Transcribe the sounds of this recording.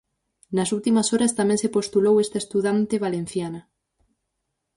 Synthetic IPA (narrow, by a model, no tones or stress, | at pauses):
nɐsult̪imɐsoɾɐst̪amɛ̃ŋsepost̪ulowest̪aest̪uðant̪eβalen̟θjanɐ